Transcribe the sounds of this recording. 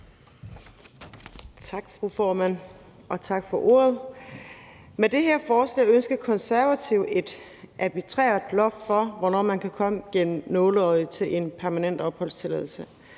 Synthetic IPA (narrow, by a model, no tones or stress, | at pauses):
t͡sʰɑ̈ɡ̥fʁufɒːmæn̰ | ʔɒ̽t͡sʰɑ̈ɡ̥fɒ̽ʔo̝̰ːɐð̩ˠ | med̥e̝ɦeɐ̰fɒːslɛ̰ːønsɡ̥ɐkʰɒ̽nsæɐʋæt͡sʰiʊde̝d̥ | ʔæb̥it͡sʰʁɛ̰ːɐð̥ˠlɒ̽ffɒ̽ʋɒnɒ̰ːmænkʰækʰɒ̽məɡ̥en̰m̩nɔ̽ːləɒɪt͡sʰe̝lʔe̝npʰæɐmænen̰d̥ɒ̽b̥hɒ̽l̰st͡sʰe̝leːðˠl̩sə